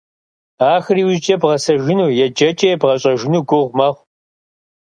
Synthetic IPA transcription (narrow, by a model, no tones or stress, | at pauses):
aːxriːwzd͡ʒʼɐbʁɐsɐʒɪnuːjɛd͡ʒɐt͡ʃʼɐjɛbʁɐɕʼɐʒɪnuːɡʷʊʁʷmɐʁʷ